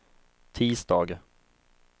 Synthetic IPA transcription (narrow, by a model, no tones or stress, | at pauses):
t̪ʰiːsd̪ɑːɡ